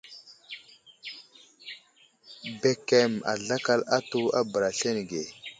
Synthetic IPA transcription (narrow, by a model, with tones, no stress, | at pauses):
be˨ke˨ma̰˨ɮa˦ka˦la˦tu˦a˦bə˨ɾa˨ɬe˦n˨ɡe˨